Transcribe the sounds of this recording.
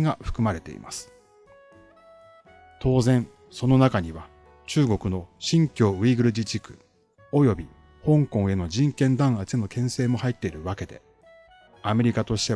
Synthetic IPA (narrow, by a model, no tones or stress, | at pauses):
ɡaɸɯ̟̥kɯ̟maɾe̞t̪e̞̰ḭma̰sɨ̥ | t̪ʰo̞ːzẽ̞ɴ | so̞no̞nakaɲ̟iβa | t͡ɕɨːɡo̞kɯ̟no̞ɕĩŋkʲo̞ːiːɡɯ̟ɾɯ̟d͡ʑit͡ɕikɯ̟̥̰ | o̞jo̞bʲi | hõ̞ŋkõ̞ɰ̃e̞no̞d͡ʑĩŋkẽ̞nd̪ãɰ̃at͡ɕeno̞kẽ̞ɰ̃se̞ːmo̞hait̪ːe̞iɾɯ̟βake̞d̪e̞̰ | ame̞ɾʲikat̪o̞ɕi̥t̪e̞